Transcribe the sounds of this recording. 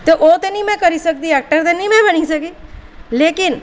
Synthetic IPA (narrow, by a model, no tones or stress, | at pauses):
t̪oʔoːt̪enĩmɛ̃kɐɾisɐk̚t̪iɛːk̚ʈəɾt̪̬enĩmɛ̃bɐnisɐkileːkɪn